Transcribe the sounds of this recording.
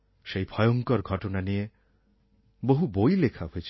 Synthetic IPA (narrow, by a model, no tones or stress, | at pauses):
ʃejbʱɔjɔŋkɔɾɡʱɔʈɔnanie | boɦubojlekʰaɦoet͡ʃʰ